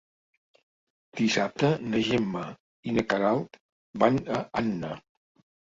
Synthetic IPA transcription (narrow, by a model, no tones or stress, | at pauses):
d̪̥isap̚t̪ənəʒemːə | inəkaɾalˠt̪ | banəanːə